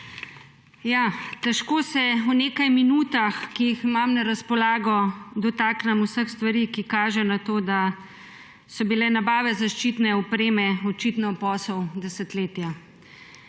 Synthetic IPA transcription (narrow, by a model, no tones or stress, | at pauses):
jat̪ɛʃkoːsɛuneːkajminuːt̪axkijiximamnɛɾaspɔlaːɡɔd̪ɔt̪aːknamusəxst̪ʋaɾiːkikaːʒɛnat̪oːd̪a | sɔbilɛnabaːʋɛzaʃt͡ʃit̪nɛɔpɾeːmɛɔt͡ʃit̪nɔpɔːsɔwd̪ɛsət̪leːt̪ja